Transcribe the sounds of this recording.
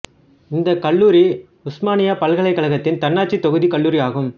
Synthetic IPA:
ɪnd̪ɐkɐɭːuːɾi | ʊsmaːnɪjaːpɐlɣɐɭɐɪkːɐɭɐɣɐt̪ːɪnt̪ɐnːaːʈ̚t͡ʃit̪ːɔɣɯðikɐɭːuːɾɪjaːɣɯm

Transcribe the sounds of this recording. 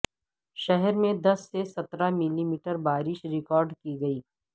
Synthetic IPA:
ʃɛɦɛɾmẽd̪ɐsːesɐt̪ɾamɪlimiːʈəɾbaːɾɪʃɾɪkɔːɾɖkiɡɐiː

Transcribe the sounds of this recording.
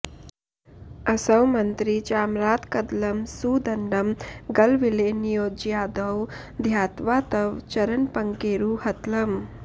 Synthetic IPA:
əsəwmənt̪ɾit͡ɕaːmɾat̪kəd̪ləmsuːd̪əɳɖəmɡəlʋilenijod͡ʑijaːd̪əw | d̪ʱjat̪ʋat̪əʋt͡ɕəɾənpəŋkeɾuhɐt̪ləm

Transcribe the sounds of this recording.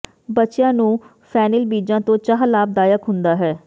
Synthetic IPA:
bətːt͡ʃɪjãːnũː | pʰɛːnəlbiːd͡ʒãːt̪õːt͡ʃaːɦlaːb̚d̪aːjəkɦʊnd̪aːɦɛː

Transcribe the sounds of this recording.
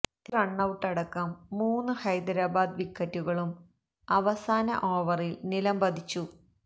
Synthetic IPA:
t̪ːirɐɳːɐwʈːɐɽɐkːɐmːuːnːɨhɐjd̪ɐɾaːbaːd̪ʋikʰːɐtːuɣɐɭum | ɐʋɐsaːnɐ̰ʔo̞ːʋɐrilnilɐmbɐd̪ʱit͡ɕːu

